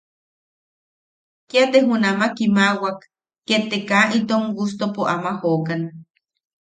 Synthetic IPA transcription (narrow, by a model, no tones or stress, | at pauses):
kiat̪eɦunamakimawakː | et̪ekaʔit̪oŋɡust̪opoʔamahokana